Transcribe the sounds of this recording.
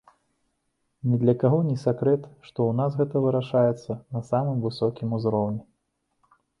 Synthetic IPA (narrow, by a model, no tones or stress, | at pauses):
nʲɛd̪lʲɐkaɣɔnʲɛsʲakɾɛt̪ʂt̪ɔwnas̬ɣɛt̪ɐvɨɾaʂajɛt̪sːɐnɐsamɨmvɨsɔkʲimuzɾɔwnʲɛ